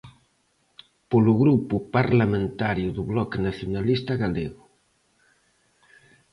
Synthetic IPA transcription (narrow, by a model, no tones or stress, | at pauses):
polʊɣɾupʊpaɾlamẽnt̪aɾjuðuβlɔknaθjunalist̪aɣaleɣʊ